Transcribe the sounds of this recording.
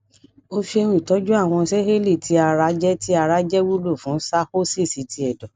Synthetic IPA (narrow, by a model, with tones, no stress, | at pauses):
o˧fi˦˧e˧wĩ˦˨tɔ˨˦d͡ʒu˦a˦˨w̃ɔ̃˧sɛ˦ɦe˦li˦˨tʰi˨˦a˧ɾa˧˦d͡ʒɛ˦ti˦a˧ɾa˦d͡ʒɛ˦wu˦lo˦˨fũ˨˦sa˦ho˦se˦˨si˨˦tʰi˧ɛ˨dɔ˨